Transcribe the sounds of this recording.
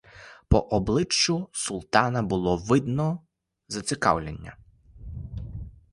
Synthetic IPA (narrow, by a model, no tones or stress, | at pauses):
pɔʔɔblˠɪt͡ʃːʊsʊlˠt̪ɑnɐbʊlˠɔʋɪd̪nɔ | zɐsʲɪkɑ̰wlʲenʲːɐ̰